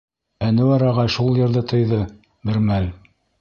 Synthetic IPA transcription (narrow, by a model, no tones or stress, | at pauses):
ænɘ̆wɑɾɑʁɑʃulˠjɤ̆ɾðɤt̪ʰɤ̆jðɤ | bɘ̆ɾmæl